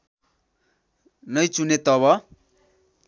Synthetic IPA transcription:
nʌjt͡sunet̪ʌβʌ

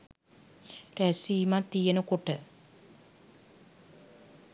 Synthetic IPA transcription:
ræsiːmat̪ːijənəkoʈə

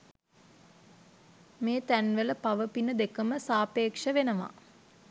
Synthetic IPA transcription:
meːt̪ænʋələpaʋəpinəd̪ekəməsaːpeːkʂəʋenəʋa̰

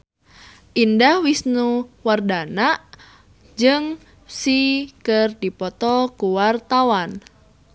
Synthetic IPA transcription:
ʔindahwisnuwardana | d͡ʒɨŋ | sikɨrdipɔt̪ɔkuwart̪awan

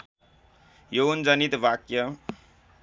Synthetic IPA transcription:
jond͡zʌnit̪bakjʌ

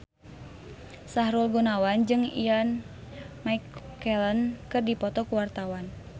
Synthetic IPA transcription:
saɦɾulɡunawand͡ʒɨŋḭjan | maikːɛlənkɨrdipɔt̪ɔkuwart̪awan

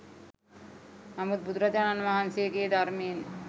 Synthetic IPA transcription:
amud̪̚bud̪ɾat̪ananʋaɦansieɡeːd̪aɾmeːn

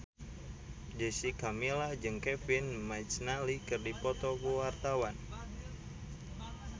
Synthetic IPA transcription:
d͡ʒesikamilad͡ʒɨŋkɛfinmajt̪t͡ʃnalikɨrdipɔt̪ɔkuwart̪awan

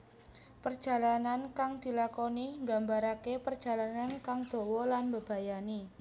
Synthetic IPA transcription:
pərd̥d͡ʒ̥a̤lanankaŋd̪̥i̤lakɔniŋɡambaɾakepərd̥ʒ̥a̤lanankaŋd̪̥o̤wɔlanbəb̥a̤jani

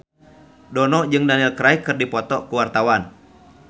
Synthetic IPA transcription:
dɔnɔd͡ʒɨŋdanilkɾaikɨrdipɔt̪ɔkuwart̪awan

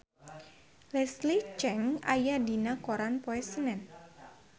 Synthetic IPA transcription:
lɛslit͡ʃɛŋa̰jadinakoɾanpoɛsənɛn

